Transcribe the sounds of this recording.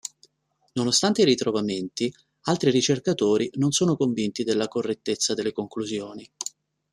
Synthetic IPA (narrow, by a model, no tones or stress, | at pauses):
nonost̪ant̪eiɾit̪ɾovament̪i | alt̪ɾirit͡ʃerkat̪oːɾʔinonsoːnokoɱvint̪id̪elːakorːet̪ːet̪sːad̪elːekoŋkluzjoːni